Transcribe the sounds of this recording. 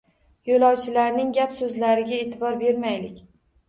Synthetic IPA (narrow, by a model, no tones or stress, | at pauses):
jolɒwt͡ʃʰɪlaɾnɪŋɡʲapsɵzlaɾɪɡʲae̞t̪ʰɪbɒɾbe̞ɾmajlɪkʲ